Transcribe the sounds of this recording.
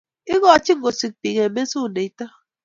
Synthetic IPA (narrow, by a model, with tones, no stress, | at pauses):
i˦ɣɔ˨a˨t͡ʃi˦ŋ̩˦ɡo˨si˨k̚pi˨ɣe˨me˦su˦˨ne˨i˦ta˦